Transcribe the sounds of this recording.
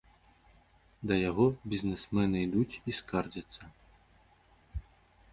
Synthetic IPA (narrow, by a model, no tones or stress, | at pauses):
d̪ɐjaɣɔbʲizʲnɛsmɛnɨjd̪ut͡sʲiskard͡zʲɐt̪sːɐ